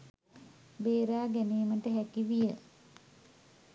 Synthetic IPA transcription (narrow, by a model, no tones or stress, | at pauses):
beːɾaːɡæniːməʈəɦækiʋijə